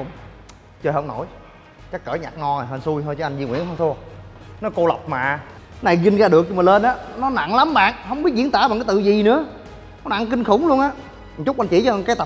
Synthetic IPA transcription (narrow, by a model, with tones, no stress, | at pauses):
kʊ̰˧˥ŋ͡m | t͡ɕəː˧˩ɦə˧˩wŋ͡mno̰˧˩˦j | t͡ɕa˦˥kːəː˧˨˦ɲa̰ː˨˩k̚ŋɔ˧˨˩ɦəː˧˩nsu˧jhəː˧jt͡ɕɔː˧˦ʔa˧ŋzi˧ŋwḭ˧˥ənhʰə˧ŋ͡mt̪ʰu˧ənɔ˨˦ko˧la˨˩wk͡p̚maː˨˩ | na˨˩jɣï˧ŋ̟ɣaː˧ɗɨ˨˩ək̚ɲɔ˧mə˨˩le˧nʔaː˨˦nɔ˨˦na̰˧˨nla˨˦mɓa̰ː˨nɦə˧wŋ͡mɓi˦˥t̚zḭ˧˥nt̪aː˧˨ɓaː˨˩kːjt̪ɨ̰˧˨zi˨˩nɨ̰˧˥ə | nɔ˨˦na̰˧˨nki˧ŋ̟xʊ˨˧˦wŋ͡mlu˧ənʔaː˨˦˥ | t͡ɕʊ˦˥k͡pʔa˧nt͡ɕḭ˧˨˦t͡ɕɔ˧˨˧kaː˨˦jt̪ə˨˩